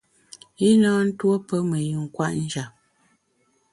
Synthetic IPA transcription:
i˦nɔː˦n̩˦two˦pə˦mə˨ju˨ŋ˨kwa˦ʔn̩˦d͡ʒa˨p̚

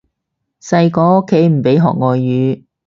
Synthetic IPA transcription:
sɐ˧jkɔː˧˥o˥kʰːe˨˥jm̩˨˩pe˨˥jɦɔ̰ː˨k̚ŋɔː˨˧jːyː˨˧˥

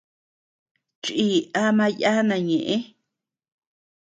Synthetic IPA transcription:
t͡ʃi˦˨a˧˦mã˧ja˦nã˨˧˨ɲẽ˨ʔẽ˦

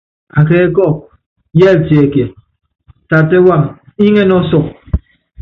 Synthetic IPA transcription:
a˨k̬e˦kɔ˦˨ | je˦˨te˨e˨ke˨ | ta˨te˦wa˨m | i˦ŋe˦nɔ˦sɔ˨k̚

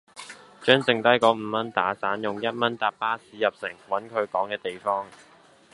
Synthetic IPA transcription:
t͡ʃœː˥ŋt͡sɪ˨ŋt̪ɐ˥jkɔː˨˥m̩ː˨˧mɐ˥nt̪aː˨˥saː˨˥njʊ˨ŋjɐ˥t̚mɐ˥nt̪aː˨˧p̚paː˥siː˨˧jɐ˨p̚sɪ˨˩ŋwɐ˨˥nkʰɵ˨˧ɥkɔː˨˥ŋkɛː˧t̪e˨jfɔː˥ŋ

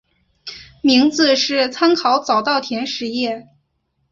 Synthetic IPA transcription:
mi˧˥ŋd͡zɹ̩˧ʂɻ̩˥˩t͡sʰa˥nkʰɑ˧˥ʊt͡sɑ˨˩ʊt̪ɑ˥˩ʊt̪ʰjɛ˧˥nʂɻ̩˧˥jɛ˥˩

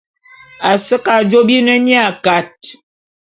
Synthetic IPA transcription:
a˨sə˦ka˨d͡ʒo˦bi˦nə˦ɲi˦a˦˨ka˨t̚

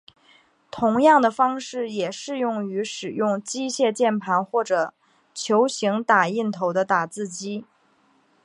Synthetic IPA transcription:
t̪ʰʊ˧˥ŋjɑ˥˩ŋd̪ə˩fɑ˥ŋʂɻ̩˥˩jɛ˨˩ʂɻ̩˥˧jʊ˥˩ŋy˧˥ʂɻ̩˨˩jʊ˥˩ŋt͡ɕi˥ɕjɛ˥˧t͡ɕjɛ˥˩npʰa˧˥nxwɔ˥˩ʈ͡ʂɤ˨˩ | t͡ɕʰjo˧˥ʊɕi˧˥ŋt̪a˨˩i˥˩nt̪ʰo˧˥ʊd̪ə˧t̪a˨˩t͡sɹ̩˥˩t͡ɕi˥

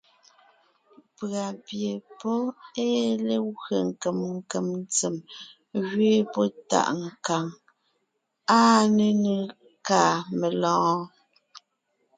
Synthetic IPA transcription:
pɰa˨pje˨pɔ˦e˦le˦wɰe˨ŋ˨ke˨mŋ̩˦˨ke˨mn˦t͡se˨m | ɣɥeː˦pɔ˦ta̰˦˨ʔŋ̩˨ka˨ŋ | aː˦ne˨ne˨ | kaː˨me˨lɔ̃ː˨˦

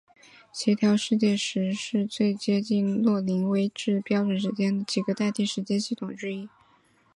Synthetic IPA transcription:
t͡ɕʰɛ˧˥t̪ʰjɑ˧˥ʊʂɻ̩˥˧t͡ɕjɛ˥˩ʂɻ̩˧˥ʂɻ̩˥˧t͡swe˥˩ɪt͡ɕjɛ˥t͡ɕi˥˧nlwɔ˥˩li˧˥ŋwe˥ɪʈ͡ʂɻ̩˥˩pjɑ˥ʊʈ͡ʂwə˨˩nʂɻ̩˧˥t͡ɕjɛ˥nd̪ə˨t͡ɕi˨˩ɡə˦t̪a˥˧t̪i˥˩ʂɻ̩˧˥t͡ɕjɛ˥˧nɕi˥˩t̪ʰʊ˨˩ŋʈ͡ʂɻ̩˥i˥

